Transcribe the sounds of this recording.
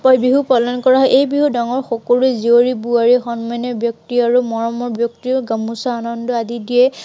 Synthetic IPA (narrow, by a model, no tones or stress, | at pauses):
pɔjbiɦupɔlɔnkɔɹaɦɔjʔejbiɦudaŋɔɹxɔkoluɛzioɹibuaɹixɔnmanɔbjɔk̚tiaɹumɔɹɔmɔɹbjɔktiɡamusaːnɔndɔadidiɛ